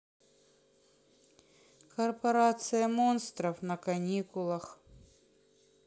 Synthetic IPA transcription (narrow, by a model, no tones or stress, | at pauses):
kɐrpɐɾat̪sɨjɐmonst̪ɾɐfnɐkɐnʲikʊlˠɐx